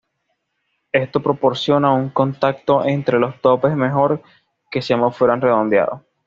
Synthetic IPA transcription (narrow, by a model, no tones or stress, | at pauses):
e̞st̪o̞pɾo̞po̞ɾsjo̞nauŋko̞nt̪ak̚t̪o̞ʔent̪ɾe̞lo̞st̪o̞pe̞sme̞xo̞ɾ | ke̞samofweɾanre̞ðo̞nd̪ja̰ðo̞s